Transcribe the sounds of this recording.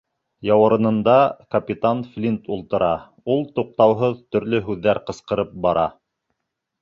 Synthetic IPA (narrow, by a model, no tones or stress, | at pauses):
jɑwɤ̆ɾɤ̆nɤ̆nd̪ɑkɐpʲit̪anflʲint̪ulˠt̪ɤ̆ɾɑ | ulˠt̪uq̚t̪ɑwɦɤðt̪ɵ̆ɾlɵɦʉðːæɾqɤ̆sqɤ̆ɾɤp̚bɑɾɑ̰